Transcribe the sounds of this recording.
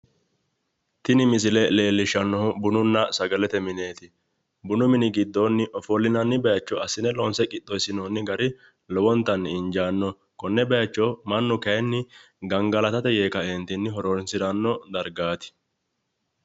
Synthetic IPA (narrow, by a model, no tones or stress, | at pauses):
t̪ɪnɪmɪs̬ɪlɛle̞ːlːɪʃɐnːɔhʊbʊnʊnːɐsɐɡɐlɛt̪ɛmɪne̞ːt̪ɪ | bʊnʊmɪnɪɡɪd̪ːoːnːɪʔɔfɔlːɪnɐnːɪbɛjɐt͡ʃːɔɐsɪnɛlɔːnsɛkʼɪt̪ːɔjsɪnoːnːɪɡɐɾɪ | lɔwɔnt̪ːɐnːɪɪɲd͡ʒaːnːɔ | kɔnːɛbɛjɐt͡ʃːɔmɐnːʊkɐjɛnːɪ | ɡɐŋɡɐlɐt̪ɐt̪ɛjeːkɐɛnt̪ɪnːɪɦɔɾonsɪɾɐnːɔd̪ɐɾɡaːt̪ɪ̥